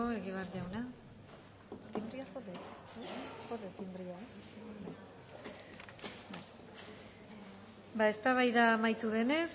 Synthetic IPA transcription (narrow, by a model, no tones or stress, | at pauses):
oe̞ɣiβ̞eaɾʝawna | t̪imbɾiaxoðe | xoðet̪imbɾiabaj | baj | bae̞st̪aβajðamajt̪uðe̞ne̞s